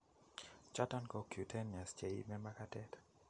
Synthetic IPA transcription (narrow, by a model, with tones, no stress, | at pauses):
t͡ʃa˦tankɔkju˨tʰɛ˦na˨st͡ʃe˨ḭ˦mɛ˦makatɛt